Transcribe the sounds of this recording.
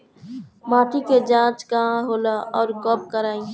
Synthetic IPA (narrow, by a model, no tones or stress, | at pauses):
mãːʈʰiked͡ʒãːt͡ʃkaɦãɦoːlaʔɔːɾkɔp̚kəɾaːĩ